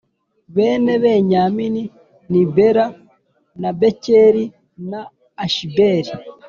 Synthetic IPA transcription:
βeːne̞βe̞ɲamini | nibeɾa | nabeceɾi | naː | ʃibeɾi

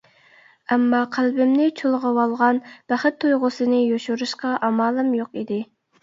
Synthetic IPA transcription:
ɛmːɑqʰælbɪmnɪt͡ʃʰolˠʁɑwɑlˠʁɑnb̥æχɪt̪ʰːujʁʊsɨnɨjoʃuɾuʃqɑʔɑmɑːlˠɨmjoqid̪ɪ

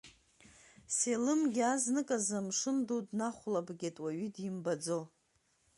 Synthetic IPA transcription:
selɨmɡʲaznɨkʼazamʂɨmdotʼnaχʷlabɡʲitʼwaɥydimbad͡zo

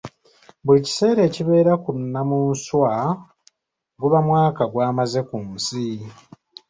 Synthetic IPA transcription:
bulici̥se̞ːɾe̞ːciβe̞ːɾakunːamuːnswa | ɡuβamwaːkaɡwaːmaze̞kuːnsi

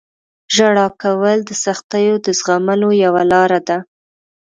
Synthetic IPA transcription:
ʒaɽɑkawəld̪əsaxt̪əjod̪əzɣaməlojawalɑɾad̪a

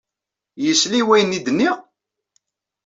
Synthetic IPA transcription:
jəsliwæjənid̪ənːi

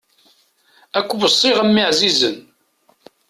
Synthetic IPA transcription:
ækʷːbəsˤːɪʁəmːiʕzizən

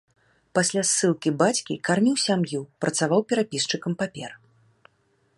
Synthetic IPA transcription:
pasʲlʲasːɨlˠkʲibat͡sʲkʲikarmʲiwsʲamjupɾɐt̪savawpʲɛɾapʲist͡ʂɨkɐmpapʲɛr

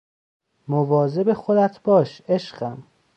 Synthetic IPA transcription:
movɒːzebexo̞d̪æt̪ʰb̥ɒːʃe̞ʃɢæm

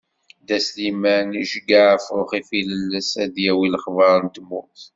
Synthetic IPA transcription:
d̪æslimæniʃəɡaʕəfɾʊχifiləlːæsæðjæwiləχvɑɾˤənt̪mːʊθ

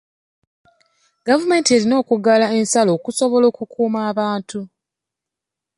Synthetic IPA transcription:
ɡ̥avume̞ːntie̞ɾino̞ːkuɡalae̞nsalo̞ːkuso̞βo̞lo̞ːkukuːmaːβaːntʰu

